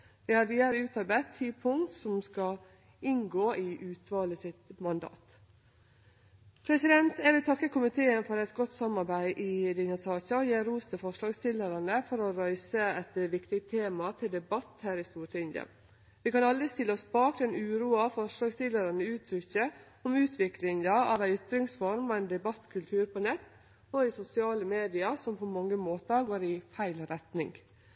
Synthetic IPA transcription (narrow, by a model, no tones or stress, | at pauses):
ʋɪhɑɾʋiːd̪əɾʉːt̪ɑɾbæɪt̪ʰːiːpʰʊŋkt̪sɔmskɑ | ɪŋɡoːɪʔʉːt̪ʋɑːləsɪt̪mɑnd̪ɑ̰ːt̪ | pʰɾɛsɪd̪ɛnt̪ɛʋɪt̪ʰɑkːəkʰʊmɪt̪ʰeːənfɔɾɛt̪ɡɔt̪ːsɑmɑɾbæɪʔɪd̪ɛnɑsɑːçɑɔjeːɾuːst̪əfɔʂlɑːɡst̪ɪlːəɾɑnəfɔɾɔɾœʏsəɛt̪ʋɪkt̪ɪɡt̪ʰeːmɑt̪ʰɪld̪ɛbɑt̪ːhæːɾɪst̪uːʈɪnd̪ə̰ | ʋɪkɑnɑld̪əst̪ɪlːəɔsbɑːkd̪ɛnʉːɾuːɑfɔʂlɑːɡst̪ɪlːəɾɑnəʉːt̪ʰɾʏçə | ɔmʉːt̪ʰʋɪklɪŋəɑʋæɪʏt̪ɾɪŋsfɔɾmɔæɪnd̪ɛbɑt̪ːkʰʉlt̪ʰʉːɾpʰɔnɛt̪ː | ɔɪsʊsɪɑːləmeːd̪ɪɑɾsɔmpʰɔmɑŋːəmoːt̪əɾɡoːɾɪfæɪlɾɛt̪nɪŋ